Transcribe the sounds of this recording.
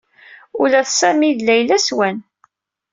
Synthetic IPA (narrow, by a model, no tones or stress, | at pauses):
ʊlæθsæmiðlːæjlæswæn